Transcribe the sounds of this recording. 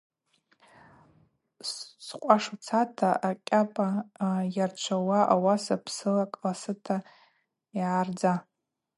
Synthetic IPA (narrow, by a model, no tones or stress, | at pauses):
ssqʷʼaʂt͡sʰatʰaʔakqʲʼapʼajart͡ʃʷʰawaʔawasapʰsɨlakʼlasɨtʰa | jʕard͡za